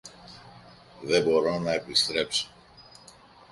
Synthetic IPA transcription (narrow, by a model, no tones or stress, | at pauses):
ðe̞bo̞ɾonɐepist̪ɾe̞pso̥